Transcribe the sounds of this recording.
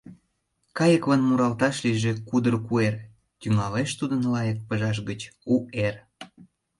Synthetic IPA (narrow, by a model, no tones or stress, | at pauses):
kɑjəkβɑnmuɾɑlt̪ɑʃliʒĕkud̪ərkuer | t̪yŋɑleʃt̪ud̪ənlɑjək̚pəʒɑʃ̬ɡət͡ɕuer